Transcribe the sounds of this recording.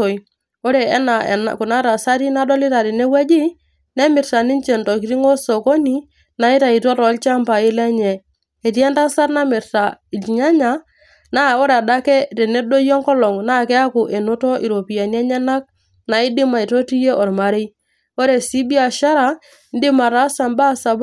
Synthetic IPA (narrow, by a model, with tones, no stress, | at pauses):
o˨ | o˦ɾe˨˦na˨n̰˨kʊ˨na˦ta˨sa˦ɾi˦na˦dɔ˦lɪ˦ta˨ɾɛ˨ne˦wɛ˦d͡ʒɪ˦ | nɛ˦mɪ˨ɾta˨nɪ˦nt͡ʃɛ˨ntɔ˨ki˨ɾi˦ŋo˦so˨ko˦ni˨ | na˨ɪ˦ta˨i˨tɔ˦ɾɔ˨˦lt͡ʃa˦mba˨ɪ˦lɛ˦ɲɛ˨ | e˨ti˦ɛ˦nta˦sa˦tna˦mɪ˨ɾta˨i˨lɲa˦ɲa˨ | na˦o˦ɾda˦kɛ˦ɾɛ˨ne˦do˦jɔ˦ŋkɔ˦lɔ˨ŋna˦˨kɛ˦a˦kʊ˨ʔe˨nʊ˦tɔ˦ʔi˨ɾo˨pi˨a˨ni˦ɛ˦ɲɛ˦na˦k̚ | na˨ɪ˦dɪ˦ma˨i˨to˦ti˦je˦ʔɔ˨ɾma˨ɾe˦ | o˦ɾe˨si˦bi˦a˨ʃa˦ɾa˨ | n˦dɪ˦ma˨ɾa˨˦sa˨mba˦˨sa˨b